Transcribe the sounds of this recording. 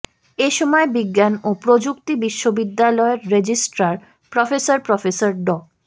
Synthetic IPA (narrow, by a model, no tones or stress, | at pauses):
eʃɔmɔebiɡːanopɾod͡ʑukt̪ibiʃːobid̪ːalɔeɾːed͡ʑisʈɾaɾ | pɾɔfesaɾpɾɔfesaɾɖɔk